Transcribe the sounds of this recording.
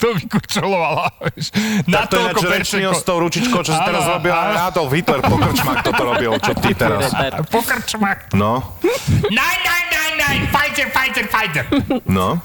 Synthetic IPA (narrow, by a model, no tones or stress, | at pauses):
t̪ovikɔt̪ɾɔlˠɔalˠaɛʃnakt̪ɔɛakd͡ʒɾɛɾt͡ʃniɔsst̪ɔʊɾut͡ʃit͡ʃkoʊt͡ʃɔsit̪ɛɾazɾɔbilˠanat̪ɔlˠvit̪lɛɾpɔkɾt͡ʃmakt̪ɔt̪ɔɾɔbilˠt͡ʃɔt̪it̪ɛɾaspɔkɾt͡ʃmakt̪nɔ | nɛjnɛ̃jnɛ̃jnɛ̃jfajzɛɾfajzɛɾfajzɛɾnɔ